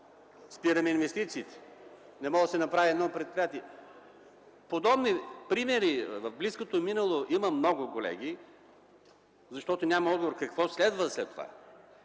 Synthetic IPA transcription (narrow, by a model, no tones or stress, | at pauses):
spiɾɐmɛinvɛst̪it̪siːt̪ɛ̥ | nɛmɔəsɛnɐpɾaviɛd̪nɔpɾɛt̪̚pɾijat̪iɛ | pod̪ɔbnipɾimɛɾivəvbliskot̪ominəlˠoʔiməmnɔɡʊkolɛ̰ɡ̟i | zɐʃt̪ɔt̪onʲamɐɔd̪ɡovoɾkɐkvɔslɛd̪vəslɛt̪ːova̰